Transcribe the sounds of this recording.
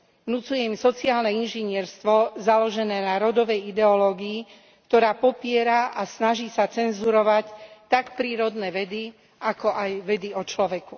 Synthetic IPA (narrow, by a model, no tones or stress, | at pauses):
ʋnut͡sujɛimsɔt͡siaːlnɛinʒɛɲɪɛɾst̪ʋɔzalɔʒɛnɛːnaɾɔd̪ɔʋɛjid̪ɛɔlɔːɡiː | kt̪ɔɾaːpɔpɪɛɾaʔasnaʒiːsat͡sɛnzuɾɔʋact̪akpɾiːɾɔd̪nɛːʋɛd̪i | ʔakɔʔajʋɛd̪iɔt͡ʃlɔʋɛku